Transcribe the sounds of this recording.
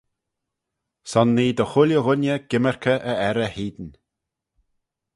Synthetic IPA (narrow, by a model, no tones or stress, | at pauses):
sɔnːiːd̪əxʊljəɣʊnjəɡ̥ɪmɛɹkʰəʔəɛɾəhiːd̪n